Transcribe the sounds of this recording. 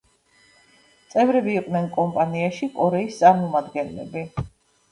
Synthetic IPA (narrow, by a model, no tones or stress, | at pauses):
t̪sʼɛvɾɛbiːqʼnɛnkʼɔmpʼaniaʃikʼɔɾɛist̪sʼaɾmɔmad̪ɡɛnlɛ̰bi